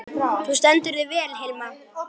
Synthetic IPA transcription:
θust̪ɛnt̪ʏɾɪðvɛːlhejlma

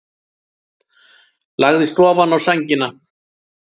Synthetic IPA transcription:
laɣðɪst̪ɔːvanawsaɲcɪna

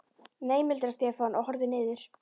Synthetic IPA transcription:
neːjmɪlt̪ɾast̪ɛːfanʔɔhɔɾðɪnɪːðɪɾ̥

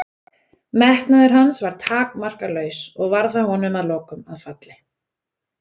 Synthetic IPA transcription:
mɛht̪naðɪɾ̥ɦansvaɾ̥t̪ʰaːkmar̥kalœːɥsɔɣvaɾθahɔnːʏmaðlɔːkʏmaðfat̪lɪ

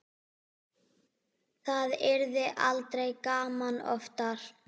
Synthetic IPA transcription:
θaðɛɾðɪʔalt̪ɾejkaːmanɔ̰ft̪aɾ̥

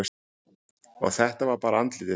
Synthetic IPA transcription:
ɔ̰ɣθɛht̪avaɾpaːɾaant̪lɪt̪ɪ

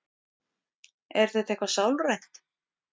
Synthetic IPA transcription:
ɛɾ̥θetθehkvasawlrejn̥t̪

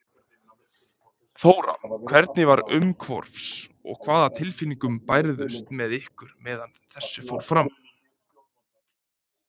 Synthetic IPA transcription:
foːwɾa̰mkʰv̥ɛɾt̪̚nɪvaɾʏmkʰvɔ̰ɾ̥fsɔ̰ɣkʰv̥aːðat̪ʰɪlfinːiŋkʏmpajɾðʏst̪mɛðɪhkʏɾmɛːðanθɛsːʏfowɾfɾam

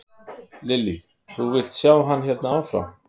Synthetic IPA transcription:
lɪli | θuvɪl̥t̪sjaːwɦanːçjɛt̪naawfɾa̰m

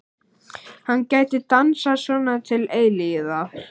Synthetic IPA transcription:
hanːcaːjt̪ɪt̪ansasvɔːnat̪ʰɪleːjlijɪða

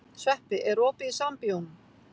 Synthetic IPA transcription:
svɛhpɪʔɛɾɔːpɪisampiɔn

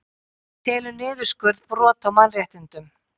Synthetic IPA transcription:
t̪ʰɛːlʏnɪːðʏskʏɾðpɾɔːt̪ʰawmanrjɛht̪ɪnt̪ʏm

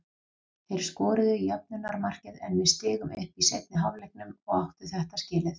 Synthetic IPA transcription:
θejɾ̥skɔːɾʏðʏijɛp̚nʏnːaɾmar̥cɪðɛ̰nvɪðst̪ɪːɣʏmʔʏ̰hpisejt̪̚nɪɦavlɛjk̚nʏmɔɣawht̪ʏ̥θɛht̪ascɪːlɪθ

